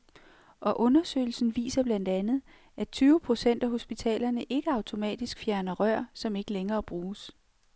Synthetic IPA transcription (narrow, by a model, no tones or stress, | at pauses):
ʔɒ̽ʔɔ̽nɐsø̰ɪl̩sn̩ʋḭːsɐb̥læn̰d̥ænð̩ˠ | ʔæt͡sʰyːʊəpʰʁo̝sen̰d̥æɦo̝sb̥it͡sʰɛ̰ːlɐnəʔe̝ɡ̥əɑ̈ʊt͡sʰo̝mɛ̰ːd̥isɡ̥fjæɐnɐʁɶɐ̰sɒ̽me̝ɡ̥əleŋɐːb̥ʁuːs